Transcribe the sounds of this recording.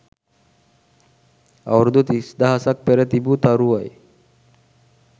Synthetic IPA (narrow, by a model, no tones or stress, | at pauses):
a̰wɾd̪ut̪isd̪aɦasak̚peɾet̪ibut̪aɾuaj